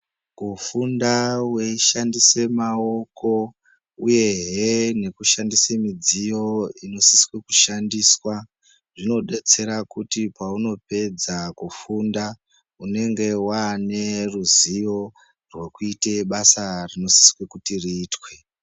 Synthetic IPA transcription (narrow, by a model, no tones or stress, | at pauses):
kufundaweiʃandisemao̞ko̞ | uje̞ɦene̞kuʃandisemid͡zijo̞ino̞siswekuʃandiːswa | ʐino̞ɗe̞t͡se̞ɾakutipauno̞pe̞d͡zakufunda | une̞ŋɡe̞wane̞ruzijo̞ | rwe̞kuite̞ɓasarino̞si̥swekutiriːtwe̞